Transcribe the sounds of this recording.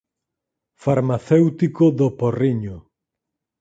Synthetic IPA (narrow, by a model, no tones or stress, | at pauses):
faɾmaθewt̪ikoðoporiɲʊ